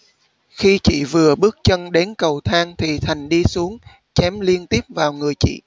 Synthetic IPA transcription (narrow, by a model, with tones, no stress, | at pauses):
xi˧t͡ɕḭ˧˨vɨ˨˩əɓɨ˦˥ək̚t͡ɕə˧nɗe˨˦nkə˨˩wt̪ʰaː˧ŋt̪ʰi˨˩t̪ʰa˨˩jŋ̟ɗi˧su˨˦əŋ | t͡ɕɛ˨˦mli˧ənt̪i˦˥əp̚vaː˨˩wŋɨ˨˩əjt͡ɕḭ˧˨